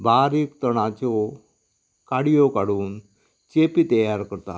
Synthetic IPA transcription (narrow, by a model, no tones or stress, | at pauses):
baɾiːkt̪əɽ̃at͡ɕɔ | kaɽijokaɽuːn | t͡ɕepit̪əjaɾkəɾt̪a̰